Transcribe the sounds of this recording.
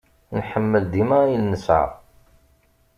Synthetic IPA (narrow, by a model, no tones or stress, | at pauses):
nħəmːəld̪imæjəlnəsʕa̰